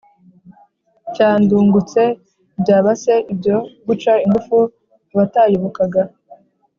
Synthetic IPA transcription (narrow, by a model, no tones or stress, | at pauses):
caːnduːŋɡut͡se̞ | bjaːβase̞ʔibɟo̞ɡut͡ʃaiŋɡufu | βataːjoβokaɡa